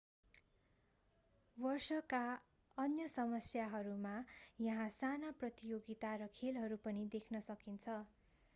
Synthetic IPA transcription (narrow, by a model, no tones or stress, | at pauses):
bʌrsʌka | ʌnjʌsʌmʌsjaɦʌɾumajʌɦãsanaprʌt̪ijoɡit̪aɾʌkʰelɦʌɾupʌnid̪ekʰnʌsʌkint͡sʰʌ